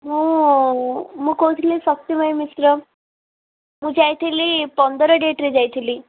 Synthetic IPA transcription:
muː | muːkowt̪ʰilisək̚t̪imajmisɾə | muːd͡ʑajt̪ʰilipənd̪ʱɾəɖeʈɾed͡ʑajt̪ʰili

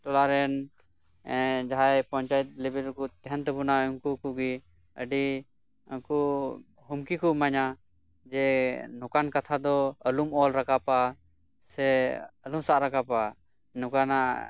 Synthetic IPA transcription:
t̪ɔlaɾɛn | d͡ʒaɦajpɔ̃ɲt͡ʃajɛt̪̚lɛbɛɾkut̪ɛɦɛnt̪əbunauŋkukuɡi | ə̰ɖi | aku | humkikɔmaɲa | d͡ʒɛnɔkankat̪ʰad̪ɔəlumɔlɾakapa | sɛəlumsaʔɾakapa | nɔkana̰ʔ

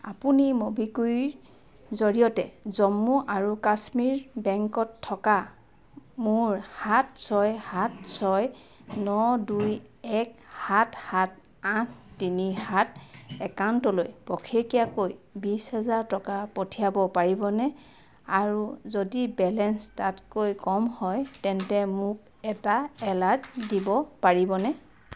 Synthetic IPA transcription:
a̰punimobiku | zoɹijɔtɛzɔmːuʔaɹukasmiɹbɛŋkɔtʰːɔka | mʊɹhatsɔjhatsɔj | nɔduj | ɛkhatʰhat̚ | atʰtinihatɛkawntɔlojpɔkʰekijakojbishɛzaɹtɔkapotʰijabɔpaɹibɔnɛ | aɹuzodibɛlɛnstatkojkɔmhɔjtɛntɛmʊk̚ | ɛtaɛlatdibɔpaɹibɔnɛ

